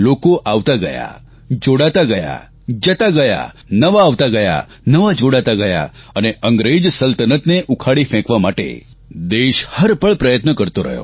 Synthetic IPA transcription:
lokoʔaʋt̪aɡəja̰ | d͡ʒoɽat̪aɡəja̰ | d͡ʒət̪aɡəja̰nəʋaːʋt̪aɡəja̰ | nəʋad͡ʒoɽat̪aɡəja̰əneʔəŋɡɾed͡ʒsəlt̪ənət̪neʔukʰaɽifʰɛ̃kʋamaʈḛ | d̪eʃhəɾpəɭpɾəjət̪nəkəɾt̪oɾə̰ɦjo̰

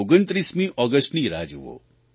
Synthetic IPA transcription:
oɡənt̪ɾismĩʔɔɡəsʈniɾad͡ʒuʋo̰

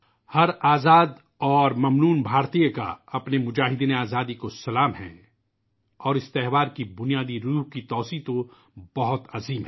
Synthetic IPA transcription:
hɐɾaːzaːd̪ | ɔːɾmɐmnuːnbʱaːɾt̪ijəka̰ɐpnemʊd͡ʒaːɦɪd̪iːneaːzaːd̪ikosɐlaːmɦɛ̰̃ | ɔːɾɪst̪ɛɦʋaːɾkibʊnijaːd̪iɾuːɦkit̪ɔːsiːt̪o | bɐɦʊt̪ɐziːmɦɛ

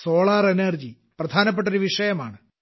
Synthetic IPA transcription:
so̞ːɭaːrenerd͡ʑi | prɐd̪ʱaːnɐp̬ːeʈ̬ːoɾuʋiʂɐjɐma̰ːɳɨ

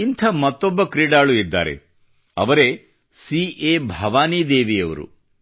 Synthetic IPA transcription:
int̪ʰɐmɐt̪ːɔbːɐkɾiːɖaːɭuid̪ːa̰ːɾḛ | ɐ̰ʋɐɾe̞ | sieːbʱɐʋaːniːd̪eːʋijɐʋɐ̰ɾṵ

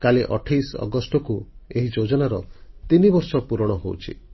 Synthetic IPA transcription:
kaleʔɔʈʰajsɔ̰ɡɔsʈɔkueɦid͡ʒod͡ʒɔnaɾɔt̪inibɔɾsɔpuɾɔɽ̃ɔɦowut͡ʃʰḭ

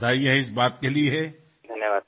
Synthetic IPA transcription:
aːijãɪsbaːt̪kelieɦɛ | d̪ʱɐnjəʋaː

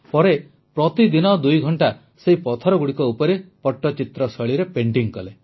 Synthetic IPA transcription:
pɔɾe | pɾɔt̪id̪inɔd̪ujɡʱɔɳʈa | seɦipɔt̪ʰɔɾɔɡuɽikɔupɔɾepɔʈːɔt͡ʃit̪ɾɔsɔɭiɾepeɳʈiŋkɔle

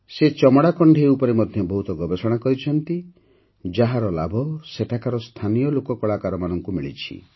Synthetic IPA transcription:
set͡ʃɔmɔɽakɔɳɖʱeupɔɾemɔd̪ʱjɔbɔɦut̪ɔɡɔbesɔɽ̃akɔɾit͡ʃʰɔnt̪i | d͡ʒaɦaɾɔlabʱɔseʈʰakaɾɔst̪ʰanijɔlokɔkɔɭakaɾɔmanɔŋkumiɭḭt͡ʃʰḭ

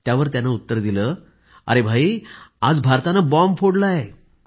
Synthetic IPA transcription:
t̪jaʋəɾt̪janːaut̪ːəɾd̪ilə | a̰ɾebʱaiad͡zbʱaɾt̪anabɔmfʰoɽlae

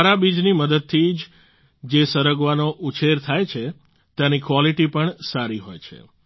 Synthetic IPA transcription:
aɾabid͡ʒniməd̪əd̪̚t̪ʰid͡ʒ | d͡ʒesəɾəɡʋanoʔut͡ʃʰeɾt̪ʰajt͡ʃʰe | t̪janikʋɔliʈipəɳsaɾiɦojt͡ʃʰḛ

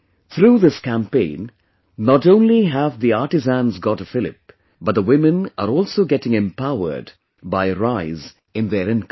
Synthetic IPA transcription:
θʰɾuːðɪskæ̃mpẽɪ̃nː | əɾõʊ̃nliɦævðiɑɹtɨzæ̃nzɡɔtɨfɪlˠɪ̰p̚ | b̥ʌt̪̚ðəwɪ̃mɨ̃nə̰ɾɔːlˠsoʊɡɛtɪ̃ŋɛ̃mpaʊə̰˞d | baɪɾaɪz | ɨ̃nðəɹɪ̃nk

